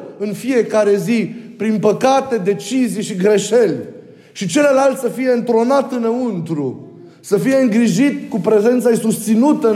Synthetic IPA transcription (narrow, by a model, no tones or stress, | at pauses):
ɨnfijekaɾe̞zipɾinpəkat̪e̞d̪e̞t͡ʃizijʃiɡɾe̞ʃelʲ | ʃit͡ʃe̞ləlalt̪ʲsəfije̞ɨnt̪ɾo̞nat̪ɨnəunt̪ɾu | səfije̞ɨŋɡɾiʒit̪kupɾe̞ze̞nt̪saisust̪sinut̪ə